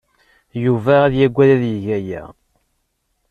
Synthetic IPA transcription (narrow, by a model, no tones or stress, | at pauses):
juvææðjæɡʷːæðæðjəʝæjæ̰